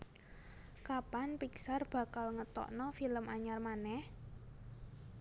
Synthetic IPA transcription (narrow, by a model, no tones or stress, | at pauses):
kapanpiksarb̥ä̤kalŋət̪ɔ̰ʔnɔfiləmaɲarmanɛh